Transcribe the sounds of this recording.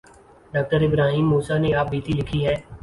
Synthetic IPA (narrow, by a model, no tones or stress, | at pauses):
ɖaːk̚ʈəɾɪbɾaːɦiːmːuːsaneaːp̚biːt̪ilɪkʰiɦɛː